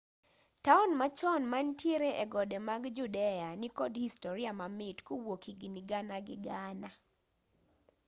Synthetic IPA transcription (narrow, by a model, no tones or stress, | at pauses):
taɔnmat͡ʃɔnmantjeɾeʔeɡɔdemaɡd͡ʒudɛanikɔdhistɔɾiamamɪtkowokiɡniɡanaɡɪ̰ɡana